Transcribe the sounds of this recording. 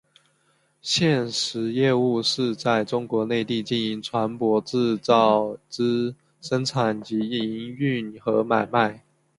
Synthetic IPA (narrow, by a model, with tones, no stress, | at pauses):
ɕjɛ˥˩nʂɻ̩˧˥jɛ˥˧u˥˧ʂɻ̩˥˧t͡sa˥˩ɪʈ͡ʂʊ˥ŋkwɔ˧˥ne˥˧ɪt̪i˥˧t͡ɕi˥˩ni˧˥ŋʈ͡ʂʰwa˧˥npwɔ˧˥ʈ͡ʂɻ̩˥˧t͡sɑ˥˩ʊʈ͡ʂɻ̩˥ | ʂə˥ŋʈ͡ʂʰa˨˩nt͡ɕi˧˥i˧˥ŋy˥˩nxɤ˧˥ma˨˩ɪma˥˩ɪ